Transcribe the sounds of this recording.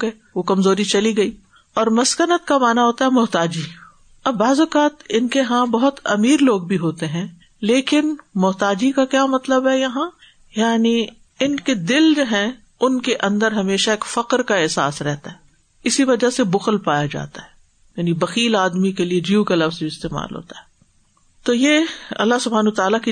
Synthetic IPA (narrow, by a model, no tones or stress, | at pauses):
e | ʋokɐmzoːɾit͡ʃɐliɡɐiː | ɔːɾmɐskənət̪̚kamaːnaɦoːt̪aɦɛmʊɦt̪aːd͡ʒi | ɐbːaːzʊkaːt̪ɪnkeɦãbɐɦʊt̪ɐmiːɾloːɡ̚bʱiɦoːt̪eɦɛ̃ː | leːkɪnmʊɦt̪aːd͡ʒikakjaːmɐt̪ləbɦɛjɐɦã | jaːni | ɪnked̪ɪld͡ʒoːɦɛ̃ | ʊnkeʔɐ̃nd̪əɾɦɐmeːʃaeːkfɐqɾkaɛɦsa̰ːsɾɛɦt̪aɦɛː | ɪsiʋɐd͡ʒasebʊxəlpaːjad͡ʒa̰ːt̪aɦɛː | jaːnibɐxiːlaːd̪mikelied͡ʒiukɐlɐfziɪst̪eːma̰ːlɦo̰ːt̪aɦɛː | t̪oːjeːɐ̰lːasʊbʱaːnuːt̪aːlaki